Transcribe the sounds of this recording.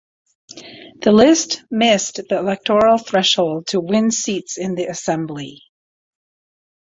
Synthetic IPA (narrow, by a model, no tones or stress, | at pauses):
ðɨlɪstmɪsðiəlɛk̚tʰɔɹl̩ˠθɹɛʃhoʊlˠd̚tʰəwɪ̃nsitsɨ̃nðiɨsɛ̃mbli